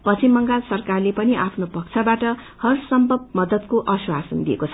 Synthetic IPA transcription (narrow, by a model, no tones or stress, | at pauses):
pʌt͡sʰimʌŋɡalsʌrkarlepʌniʔapʰnopʌk̚t͡sʰabaʈʌ | hʌrsʌmbʱʌbmʌd̪ʌt̪koʔʌswasʌnd̪iekot͡sʰʌ